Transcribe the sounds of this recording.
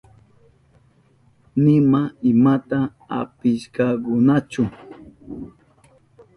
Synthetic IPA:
nɪmaɪmat̪a | a̰pɪʃkɑkʊnat͡ʃʊ

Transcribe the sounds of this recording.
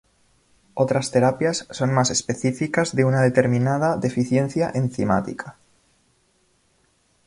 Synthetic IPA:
ot̪ɾast̪e̞ɾapjasːo̞nmase̞spe̞θifikazðeunaðe̞t̪e̞ɾmĩnað̞aðe̞fiθje̞n̟θjaʔenθima̰t̪ḭkʰa

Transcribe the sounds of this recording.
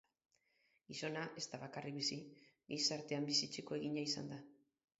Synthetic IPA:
iso̞naʔe̞st̪aβakarʔiβisiɣijsaɾt̪e̞ambisit͡ʃeko̞e̞ɣiɲaisa̰nd̪a

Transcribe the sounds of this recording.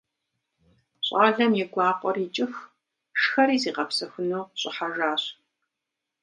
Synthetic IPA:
ɕʼaːɮɐmjɛɡʷɑːqʷʼɔriːt͡ʃʼɪx | ʂxɐɾiːziːqɐpsɐxʷʊnuːɕʼɪħaʒaːɕ

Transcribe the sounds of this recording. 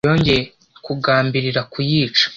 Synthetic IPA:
o̞ːɲɟe | kuɡaːmbiɾiɾakujiːt͡ʃḁ

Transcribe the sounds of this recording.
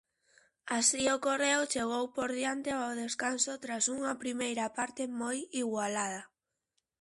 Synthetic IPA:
asiokoreʊt͡ʃeɣowpoɾðjant̪eaoðeskansot̪ɾasuŋɐpɾimejɾɐpaɾt̪emojiɣwalað̞ɐ

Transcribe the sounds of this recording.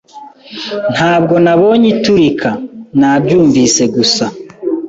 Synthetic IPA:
n̥haːb̚ɡo̞naβo̞ɲituɾikʰanaːbɟuːɱviːse̞ɡusa

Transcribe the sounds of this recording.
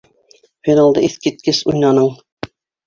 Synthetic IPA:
hinɑlˠd̪ɤʔiθkit̪̚kɘsujnɑnɤɴ

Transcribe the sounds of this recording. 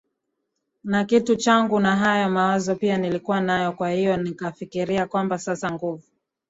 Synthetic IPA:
nakitut͡ʃaŋɡunaɦajɔmawazɔpianilikuwanajɔkwahijɔnikafikiɾiakwambasasaŋɡuvu

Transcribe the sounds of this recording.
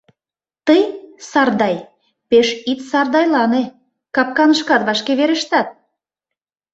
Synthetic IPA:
t̪əjsɑrd̪ɑj | peʃit̪sɑrd̪ɑjlɑne | kɑp̚kɑnəʃkɑt̪βɑʃkeβeɾə̆ʃt̪ɑt̪̚

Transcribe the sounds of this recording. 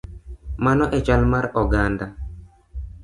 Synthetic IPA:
manɔʔɛt͡ʃalmaɾɔɡand̪a

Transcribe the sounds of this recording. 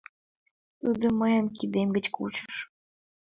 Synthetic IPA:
t̪ud̪oməjəmkid̪emɡət͡ɕkut͡ɕə̥ʃ

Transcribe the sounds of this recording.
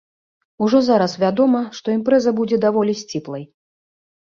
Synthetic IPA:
uʐɔzaɾɐsvʲad̪ɔmɐʂt̪ɔimpɾɛzɐbud͡zʲɛd̪avɔlʲisʲt͡sʲiplˠɐj

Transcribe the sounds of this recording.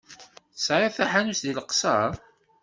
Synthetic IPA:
θsɾˤeθæħanusðiləqsɑˤ

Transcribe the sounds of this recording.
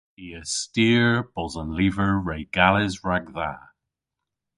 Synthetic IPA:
iəstiːɹb̥ɔzənliːvəɹɹejɡ̥alɪzɹaɡða

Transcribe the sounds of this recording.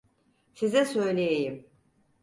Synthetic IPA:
sizɛsø̞jlʲejejim

